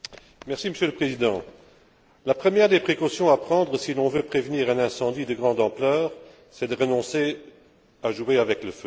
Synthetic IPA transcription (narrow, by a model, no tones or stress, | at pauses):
mɛʁsiməsjøləpχezid̪ɑ̃ | lapχəmjɛʁd̪epχekosjɔ̃apχɑ̃d̪ʁəsilɔ̃vøpχevniːʁɛ̃nɛ̃sɑ̃d̪id̪əɡʁɑ̃d̪ɑ̃plœːʁ | sɛd̪əʁənɔ̃se | aʒueavɛkləfø